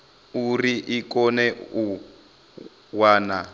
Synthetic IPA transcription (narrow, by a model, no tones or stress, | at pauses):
uriʔikɔnɛu | waːna